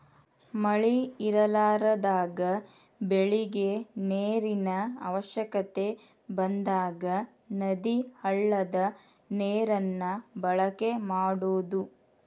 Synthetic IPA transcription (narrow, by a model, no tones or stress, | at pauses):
mɐɭiiɾɐlaːɾɐd̪aːɡɐ | beɭiɡe̞neːɾinɐɐʋɐʃjɐkɐt̪e̞ | bɐnd̪aːɡɐ | nɐd̪ihɐɭːɐd̪ɐ | neːɾɐnːɐbɐɭɐke̞maːɽoːd̪u